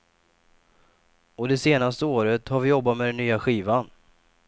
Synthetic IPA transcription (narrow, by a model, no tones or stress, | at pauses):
ɔd̪ɛseːnast̪əoːɾət̪haɾvɪjɔbːat̪mɛd̪ɛnːyːaɧiːvan